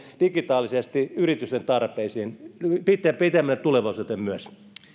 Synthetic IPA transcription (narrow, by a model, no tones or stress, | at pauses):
d̥ikit̪ɑːlisest̪iyrit̪yst̪ent̪ɑrpˑeisiːnpit̪ːæpit̪æmːælːet̪uleʋɑusut̪emmyøs